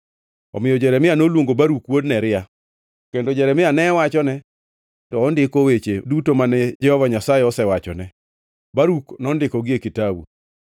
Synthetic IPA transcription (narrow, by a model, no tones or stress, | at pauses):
ɔ̰mɪjɔd͡ʒɛɾɛmɪanolwoŋɡobaɾukwodnɛɾɪja | kendod͡ʒɛɾɛmɪanɛwat͡ʃɔnɛ | tɔːndɪkowet͡ʃedutomanɛd͡ʒɛhɔvaɲasajeɔsɛwat͡ʃɔ̰nɛ | baɾuknɔndɪkɔɡɪekɪtabṵ